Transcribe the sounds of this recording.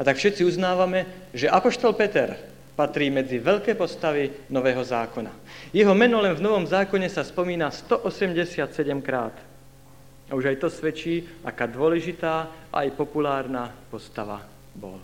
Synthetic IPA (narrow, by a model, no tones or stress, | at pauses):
at̪akfʃɛt̪t͡siuznaːʋamɛ | ʒɛʔapɔʃt̪ɔlpɛt̪ɛɾ | pat̪ɾiːmɛd͡ziʋɛʎkɛːpɔst̪aʋinɔʋɛːɦɔzaːkɔna̰jɛɦɔmɛnɔlɛnvnɔʋɔmzaːkɔɲɛsaspɔmiːnast̪ɔʔɔsɛmɟɛsɪat̪sɛɟɛmkɾaːt̪ | auʒajt̪ɔsʋɛt͡ʃiːakaːd̪ʊɔlɛʒit̪aːa̰a̰jpɔpulaːɾnapɔst̪aʋa | bɔ̰l